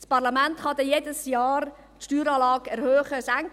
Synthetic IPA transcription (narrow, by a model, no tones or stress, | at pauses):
spɑɾlɑmɛnthɑdɛjeːdəsjɑːr | tʃtyːɾɑːlɑːɡɛɾhøːχəsæŋk